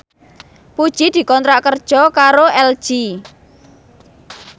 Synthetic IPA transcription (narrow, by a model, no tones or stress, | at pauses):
pud̥ʒ̥id̪̥i̤kɔnt̪ɾaʔkərd̥ʒ̥ɔkaɾoɛld̥ʒ̥i